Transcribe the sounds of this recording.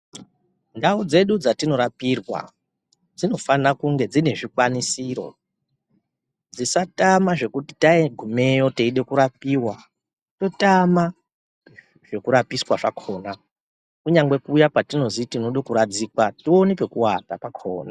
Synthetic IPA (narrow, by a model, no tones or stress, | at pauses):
ndaud͡ze̞ɗud͡zatino̞ɾapirwa̰ | d͡zino̞fanakuŋɡe̞d͡zine̞ʐikwanisiro̞̰ | d͡zisatamaʐe̞kuti̥taiɡʱume̞jo̞teiɗe̞kuɾapiːwa | to̞tama | ʐ̥e̞kuɾapiswaʐakʰo̞ːna | kuɲaŋɡwe̞kuːjakwatino̞zitinoɗokuɾad͡zikwatio̞nipe̞kuwatapakʰo̰ːna